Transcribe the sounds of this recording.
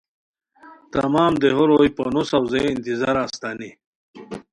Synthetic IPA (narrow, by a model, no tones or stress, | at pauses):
t̪ɐmaːmd̪eɦoɾojponusawzeint̪izaɾaːst̪ani